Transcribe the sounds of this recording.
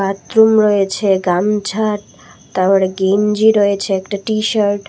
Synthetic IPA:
at̪ːɾumɾɔet͡ɕʰeɡamd͡ʑʰʱaʈ̚ | t̪aɔɽeɡind͡ʑiɾoet͡ɕʰeɛkʈaʈiʃaɾʈ

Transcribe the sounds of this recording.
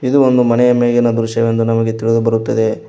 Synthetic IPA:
id̪uond̪umɐnɛjɐmeːɡɐnɐd̪uɾʃɐʋend̪unɐmɐɡe̞t̪iɭid̪ubɐɾut̪ːɐd̪e̞

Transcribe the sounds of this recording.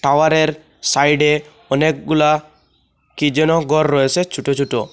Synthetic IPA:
ʈawaɾeɾ | sajɖe | ɔnek̚ɡula | kid͡ʒɔnɔɡʱɔɾːɔesʰet͡ʃʰuʈot͡ʃʰuʈo

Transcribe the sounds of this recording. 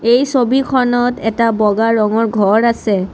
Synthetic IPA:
ejsobikʰɔnɔtɛtabɔɡaɹɔŋɔɹɡʱɔɹasɛ

